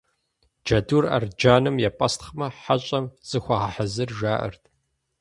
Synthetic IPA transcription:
d͡ʒɐdura̰rd͡ʒaːnɨmjɛpʼɐstχmɐħaɕʼɐmz̥ɨxʷɐʁaħazɨrʒaːʔɨ̰rtʰʼ

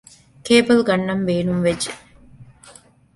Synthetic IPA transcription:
keːbɐlɡɐnːɐmbeːnumʋed͡ʒːe

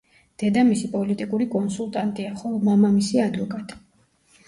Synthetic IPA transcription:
d̪̥ɛd̪amisipʼɔlit̪ʼikʼuɾikʼɔnsulˠt̪ʼant̪ʼiaχɔlˠɔmamamisiad̪vɔkʼat̪ʼi̥

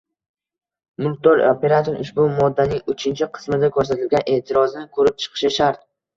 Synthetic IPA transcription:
mʊlt̪ːɒɾope̞ɾat̪ʰoɾʊʃbʊmɒd̪ːanɪŋʊt͡ʃʰɪnt͡ʃʰɪqʰɨ̥smɪd̪akʰɵɾs̬at̪ʰɪlɡʲanʔe̞ːt̪ʰɪɾɒznɪkʰɵɾɪp̚t͡ʃʰɨ̥qʰɨ̥ʃɪʃaɾt̪̚

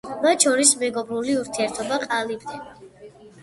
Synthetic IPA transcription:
mat̪t͡ʃʰɔɾismɛɡɔbɾuliuɾt̪ʰiɛɾt̪ʰɔbaqʼalibd̪ɛ

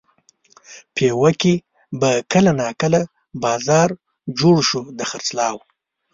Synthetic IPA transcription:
pʰewaki | bakəlanɑkəla | bɑzɑɾ | d͡ʒoɽʃud̪əxaɾt͡slɑw

